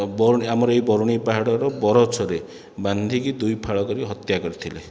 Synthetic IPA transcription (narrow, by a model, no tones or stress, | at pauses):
bɔɾuiamɔɾɔejbɔɾuɽ̃ipaɦaɽɔɾɔbɔɾɔt͡ʃʰɔɾe | band̪ʱikid̪ujpʰaɭɔkɔɾiɦɔt̪jakɔɾit̪ʰile